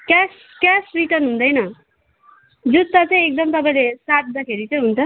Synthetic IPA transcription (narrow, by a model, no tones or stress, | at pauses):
kas | kasriʈʌrnɦund̪ʌjnʌ | d͡zut̪ːat͡sʌĩek̚d̪ʌmt̪ʌpãĩlesat̪̚d̪akʰeɾit͡sʌj̃ɦunt͡sʰʌ